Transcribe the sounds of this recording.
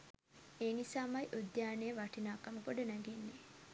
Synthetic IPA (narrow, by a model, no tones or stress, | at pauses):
eːnisaːmajʔud̪jaːnejəʋaʈinaːkaməpoɖənæɡenːe